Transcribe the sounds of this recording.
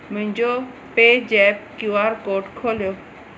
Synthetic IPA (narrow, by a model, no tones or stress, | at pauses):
mʊ̃ɦɪ̃ɲd͡ʑo | peːd͡ʑɛːpkjuːaːɾkoːʈkʰoːljoː